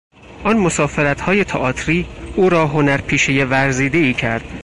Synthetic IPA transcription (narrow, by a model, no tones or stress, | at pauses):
ʔɒnmo̞sɒːfe̞ɾæt̪hɒːje̞t̪ʰɒʔɒːt̪ʰɾiːʔuːɾɒːɦo̞næɾpʰiːʃeje̞væɾziːd̪eiːcʰæɾd̪̥̚